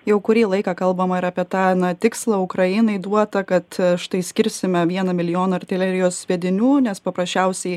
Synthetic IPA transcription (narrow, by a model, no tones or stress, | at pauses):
jɛʊkʊɾʲiːlˠɐɪkɑːkɐlˠbɐmɐɪɾɑːpʲiɛt̪ɑːnɐt̪ʲɪkslˠɐʊkɾɐjɪnɐɪd̪uɔt̪ɐkɐt̪ʃt̪ɐɪsʲkʲɪɾʲsʲɪmʲɛʋʲiɛnɐmʲɪlʲɪjoːnɐɐrt̪ʲɛlʲɛɾʲɪjoːsʋʲɛːd̪ʲɪnʲuːnʲɛspɐpɾɐsʲt͡ʃʲɛʊsʲɛɪ